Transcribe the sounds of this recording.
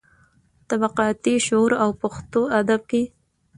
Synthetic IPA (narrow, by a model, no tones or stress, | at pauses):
t̪abaqɑt̪iʃoɾawpaxt̪oad̪ab̚ke